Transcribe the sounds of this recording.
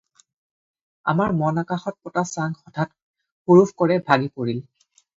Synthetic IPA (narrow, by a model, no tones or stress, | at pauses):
a̰maɹmɔnakaxɔt̚pɔtasaŋɡxɔtʰat | xuɹufkɔɹɛbʱaɡipoɹil